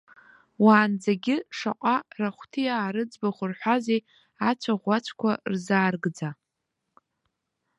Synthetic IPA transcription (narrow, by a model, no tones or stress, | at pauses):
waːnd͡zaɡʲɪʂa̰qʼaraχʷtʰɨjaːɾɨd͡zbaχʷʊrħʷᶣazej | at͡ʃʷʰaʁʷat͡ʃʷʰkʷʰarzaːrɡd͡za